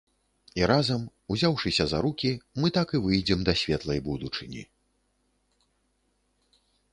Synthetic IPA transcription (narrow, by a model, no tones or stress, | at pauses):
iɾazɐm | uzʲawʂɨsʲɐzɐɾukʲimɨt̪akɨvɨjd͡zʲɛmd̪ɐsʲvʲɛt̪lˠɐjbud̪ut͡ʂɨnʲḭ